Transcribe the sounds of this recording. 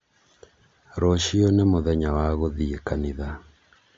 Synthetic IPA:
ɾɔʃionemoðɛɲawaɣoðiekaniða

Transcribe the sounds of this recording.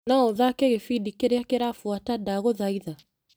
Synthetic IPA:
naoðakɛɡefidikeɾejakeɾafuatadaːɡoðaiða

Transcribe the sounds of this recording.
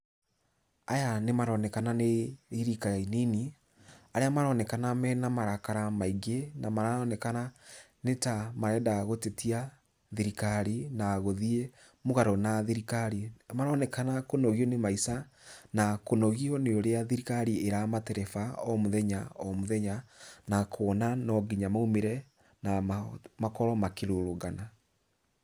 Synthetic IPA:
ajanemaɾɔnɛkananeiɾikainini | aɾeamaɾɔnɛkanamɛnamaɾakaɾamaiɡenamaɾaɔnɛkana | netamaɾɛdaɣotetia | ðiɾikaɾinaːɣoðie | moɣaɾɔnaðiɾikaɾimaɾɔnɛkanakonɔɣiɔnemaisa | nakonɔɣiɔneoɾeaðiɾikaɾieɾamatɛɾɛfaɔmoðɛɲaɔmoðɛɲanakʰwɔnanɔɡiɲamaumeɾɛ | namakɔɾɔmakeɾoɾoɣana

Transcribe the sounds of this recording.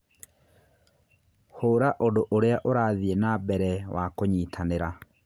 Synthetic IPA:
hoɾaʔodoʔoɾeaʔoɾaːðienabɛɾɛwakoɲitʰaneɾa

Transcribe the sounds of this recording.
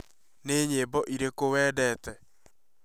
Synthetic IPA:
neːɲeːbɔʔiɾekowɛːdɛːtɛ

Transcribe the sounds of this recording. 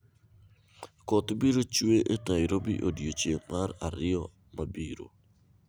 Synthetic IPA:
kɔt̪biɾot͡ʃweʔetaiɾobḭʔodjot͡ʃeŋmaɾaɾɪɔ | mʔabiɾo̰

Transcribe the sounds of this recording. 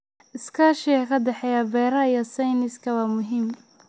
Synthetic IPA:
ʔɪskʰaːʃɛɛkʰɐd̪ɛħɛjɐbɛːɾɐijɐsajnɪskʰɐwɑːmʊɦɪm

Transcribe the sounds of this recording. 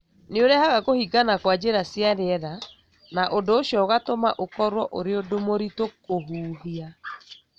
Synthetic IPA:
neoɾɛhaɣaɣohiɡanakwad͡ʑeɾasjaɾeɛða | naʔondoːɕjɔɣatomaʔokɔɾwɔʔoɾeodomoɾitokoɦuːɦia

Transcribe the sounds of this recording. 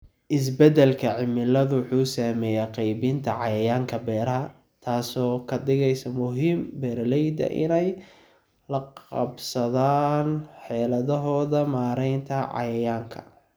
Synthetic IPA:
ʔɪs̬bɛd̪ɛlkʰɐʕɪmɪlɐðʊwħuːsaːmɛːjaːqɑjbɪnt̪ʰɐʕɑjɐjaːŋkʰɐbɛːɾɐɦɐ | t̪ʰaːsɔːkʰɐd̪ɪɣɛjsɐmʊɦiːmbɛːɾlɛjd̪ɐ̰ʔɪ̰nɛj | lɐqɑ̰bsɐðaːnħɛːlɐðɐɦɔːðɐmaːɾɛjnt̪ʰɐʕɑ̰jɐjaːŋkʰɐ̰

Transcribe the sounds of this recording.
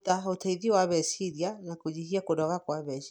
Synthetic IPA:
taotaiðiwaβɛsiɾianakod͡ʒiɦiakodɔɣakwaβɛʃi

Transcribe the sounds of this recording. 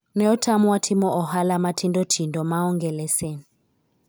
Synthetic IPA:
nɛɔtʰamuwatʰimɔʔɔɦalamatʰindɔtʰindɔmaɔŋɡɛlɛsɛn

